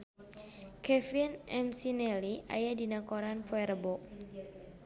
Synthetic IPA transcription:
kʰɛfinɛ̰msinɛlia̰jadinakɔɾanpɔɛɾəbɔ

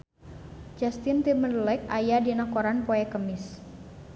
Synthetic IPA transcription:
d͡ʒast̪ɪnt̪imənlɛk̚ajadinakoɾanpoɛkəmɪs

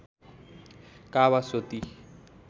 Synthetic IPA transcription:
kaβasot̪i

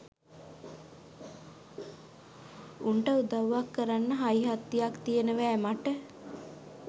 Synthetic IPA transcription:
uɳʈəud̪aʋːakːəɾanːəɦajiɦat̪ːijakt̪ijenəʋæːmaʈə

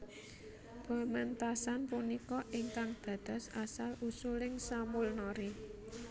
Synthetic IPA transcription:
b̥a̤mɛnt̪asanpunikɔʔɪŋkaŋd̪̥ä̤d̪̥a̤sasalʔusulɪŋsamulnɔɾi

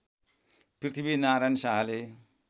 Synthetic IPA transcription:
prit̪ʰibinaɾajnsaɦale

